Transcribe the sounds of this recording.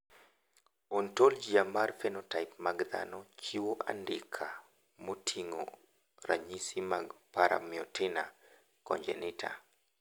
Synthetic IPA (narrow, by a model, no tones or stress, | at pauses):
ɔntold͡ʒiamarfɛnotajpmaɡd̪a̰nɔt͡ʃiwoʔa̰ndɪkʰa | motʰiŋo̰ | ra̰ɲisimaɡpaɾʔa̰miɔtʰɪna̰ | kɔ̰ɲd͡ʒɛ̰nɪtʰa̰